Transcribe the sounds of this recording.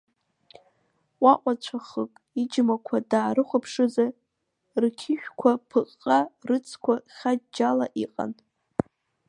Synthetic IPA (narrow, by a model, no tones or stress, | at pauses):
waʔʷʼat͡ɕʷʰaχəkʼ | id͡ʒmakʷʰadaːrɨχʷʊpʰʂɨza | rkʲʰɪʃᶣkʷʰapʰɨqːʼarɨt͡sʰkʷʰaχʲad͡ʒalaʔiqʼa̰nʼ